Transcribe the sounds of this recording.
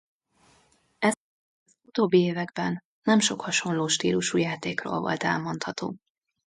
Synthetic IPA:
ɛ | zut̪oːbːieːvɛɡbɛnː | ɛmʃo̞khɒʃo̞nloːʃt̪iːluʃujaːt̪eːkro̰ːlvo̰lt̪ɛ̰lmo̞nt̪hɒt̪o̰ː

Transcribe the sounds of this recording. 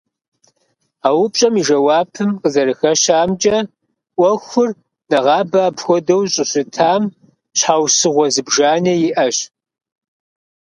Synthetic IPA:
aːwʊpʼɕʼɐmiʒɐwɑːpʰɨmqəzɐɾɨxɐɕaːmt͡ʃʼɐ | ʔʷɔxʷʊr | nɐʁɑːbaːpxʷɔdɐwɕʼɨɕʷʊtʰaːm | ɕħaːwsɨʁʷɔzɨbʒaːneːjɪʔɐɕ

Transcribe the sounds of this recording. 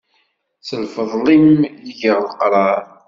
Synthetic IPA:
θəlfəðˤlimjiʝəɾˤlqɾˤɑɾˤ

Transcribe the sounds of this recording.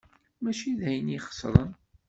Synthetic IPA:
mæt͡ʃiðæjəniχə̥sɾˤən

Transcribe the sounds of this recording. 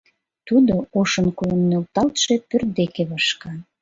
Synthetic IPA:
t̪ud̪ooʃə̆nkolənːølt̪ɑlt̪ʃe̽pør̚d̪ekeβɑʃkɑ

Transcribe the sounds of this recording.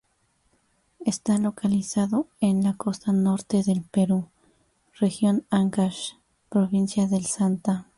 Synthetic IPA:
est̪alokalisaðoenlakost̪anoɾt̪eðelpeɾu | rexjonaŋkaʃ | pɾoβinsjaðelsant̪a

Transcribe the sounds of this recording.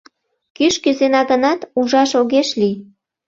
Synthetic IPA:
kyʃkyzenɑɣənɑt̪uʒɑʃoɣeʃli

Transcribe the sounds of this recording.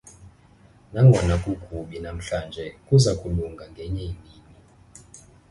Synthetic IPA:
naŋɔnakukʰʼuɓinam̩ɬand͡ʒɛkuzakʼuluŋɡaŋɡɛɲɛinini

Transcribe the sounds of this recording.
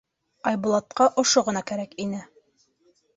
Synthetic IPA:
ɑjbulˠɑt̪̚qɑʔŏʃoʁɤ̆nɑkæɾækinɘ

